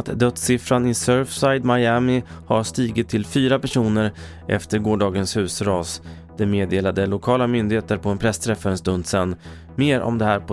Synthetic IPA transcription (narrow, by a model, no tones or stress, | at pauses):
t̪d̪œt̪sɪfɾanɪsœɾfsajd̪majæːmɪhaɾʂt̪iːɡɪt̪ʰːɪlfyːɾapæʂuːnəɾ | ʔɛ̰ft̪əɾɡoːɖɑːɡənshʉ̟ːsɾɑːs | d̪̥ɛmeːd̪eːlad̪əlʊkʰɑːlamʏnd̪ɪheːt̪əɾpʰɔɛnpʰɾɛst̪ʰɾɛfaɾənst̪ɵnd̪sɛnː | meːɾɔ̰md̪ɛhæːɾpʰɔ